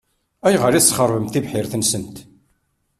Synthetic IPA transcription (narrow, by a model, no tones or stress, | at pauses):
æjʁəɾisːχəɾˤvəmθivħɪɾθənsənt̪